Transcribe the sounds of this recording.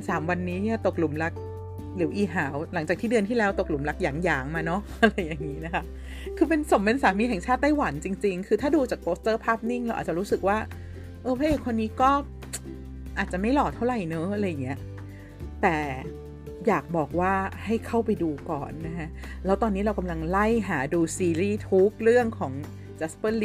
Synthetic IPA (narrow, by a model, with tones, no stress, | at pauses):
saː˩˦mwa˧nːiː˦˥a˧˩t̪o˨˩k̚lu˩˦mla˦˥k̚ | lɯ˩˦ʔiː˨˩ɦaː˩˦wla˨˩˦ŋt͡ɕaː˨˩t̪ʰiː˥˩dɯ˧ənt̪ʰiː˥˩lɛː˦˥wt̪o˨˩k̚lu˩˦mla˦˥k̚jaː˩˦ŋjaː˩˦ŋmaː˧nɔ˦˥ʔa˧ɾa˧jːa˨˩ŋːiː˦˥na˦˥kʰa˦˥ʔ | kʰɯː˧pe˧nso˩˦mpe˧nsaː˩˦miː˧ɦɛ˨˩ŋt͡ɕʰaː˥˩t̪ːa˥˩jwa˩˦nt͡ɕi˧ŋt͡ɕi˧ŋkʰɯː˧t̪ʰaː˥˩duː˧t͡ɕaː˨˩k̚poː˦˥st̪ɤː˥˩pʰaː˥˩p̚ni˥˩ŋla˧wʔa̰˨˩t̪̚t͡ɕa˨˩ɾuː˦˥sɯ˨˩k̚waː˥˩ | ʔɤː˧pʰaː˦˥ʔeː˧˩kʰo˧nːiː˦˥kɔː˥˩ | ʔaː˨˩t̪̚t͡ɕa˨˩ʔma˥˩jlɔː˨˩t̪ʰa˥˩wɾa˨˩jnɤː˦˥ʔa˧˩ɾa˧jːa˨˩ŋːi˦˥ɐʔ | t̪ɛː˨˩ | jaː˨˩k̚bɔː˨˩k̚waː˥˩ha˥˩jkʰa˥˩wpa˧jduː˧kɔ̰ː˨˩nːa˦˥kʰa˦˥ʔ | lɛː˦˥wt̪ɔː˧nːiː˦˥ɾa˧wka˧mla˧ŋla˥˩jɦaː˩˦duː˧siː˧ɾiː˥˩t̪ʰu˦˥k̚ɾɯ˥˩əŋkʰɔː˩˦ŋ | t͡ɕa˦˥spɤː˥˩li˦